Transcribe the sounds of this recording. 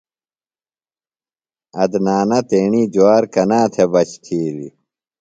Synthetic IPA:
ɐd̪naːnɐt̪eːɳiːd͡ʑuaːɾkɐnaːt̪ʰebɐt͡ɕt̪ʰiːlḭ

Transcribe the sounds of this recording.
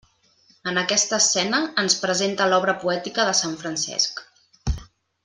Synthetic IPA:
ənəkɛst̪əːsːɛnəːnspɾəzent̪əlɔβɾəpuɛt̪ikəðəsaɱfɾənsɛ̰sk

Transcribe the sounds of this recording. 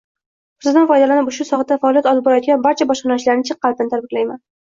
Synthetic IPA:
ʊsɪzd̪anfɒjd̪alanɪpʊʃʊsɒχɑd̪afaɒlijat̪ɒlˠɪp̚bɒɾajɔt̪̚ɡʲanbaɾt͡ʃʰabɒʃqɑnɒʃlaɾɪnɪt͡ʃʰɨqːɑlˠt̪ɪnɪt̪ʰaɾbɪklajman

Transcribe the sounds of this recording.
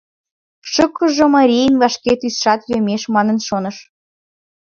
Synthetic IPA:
ʃɤ̆kːɤ̆ʒɤ̆mɑɾʲijnvɑʃket̪ysʃɑt̪jømʲeʃmɑnɤ̆nʃonɤ̆ʃ

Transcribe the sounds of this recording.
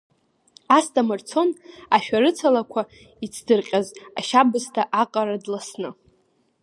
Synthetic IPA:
astʼamɨrt͡sʰo̞naʃᶣaɾɨt͡sʰalakʷʰa | it͡sʰdɨrqʲʼaza̰ʃabɨstʰaʔaqʼaɾadlasnɨ

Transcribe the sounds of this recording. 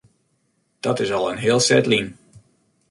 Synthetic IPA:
d̥ɔtɪsɑlˠənɦɪːəlˠsɛ̰tlin

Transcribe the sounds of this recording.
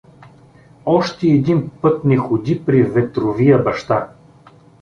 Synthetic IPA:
ɔʃt̪ɛːd̪inpɤt̪nɛxʊd̪ipɾivɛt̪ɾovijəbɐʃt̪a

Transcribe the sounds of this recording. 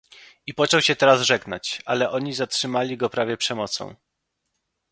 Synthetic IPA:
ipɔt͡ʂɔwɕɛt̪ɛɾazʐɛɡna̰t͡ɕalɛʔɔɲizatʂɘmalʲiɡɔpɾavʲjɛpʂɛmɔt̪sɔ̰̃w̃

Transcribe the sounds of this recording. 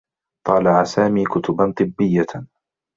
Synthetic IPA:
t̪ˤɑːlɑʕasaːmiːkʊt̪ʊbant̪ˤɨbːɪjːa

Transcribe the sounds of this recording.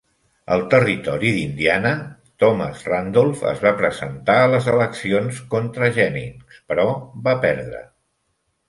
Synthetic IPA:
ə̰lˠt̪ərit̪ɔɾiðind̪ianət̪ɔmə̰zrand̪olˠfə̰zβapɾəzənt̪aələzələksionskont̪ɾəʒɛnḭspəɾɔβapɛɾðɾə̰

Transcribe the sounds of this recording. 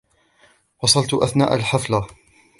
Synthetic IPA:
wɑsˤɑlt̪ʔaθna̰ːʔalħafla

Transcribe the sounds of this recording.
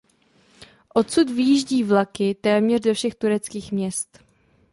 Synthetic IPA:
ʔo̞t̪sut̪vɪjiːʒɟiːvlakɪt̪ɛːmɲɛr̝zofʃɛxt̪uɾɛt͡skiːxmɲɛst̪

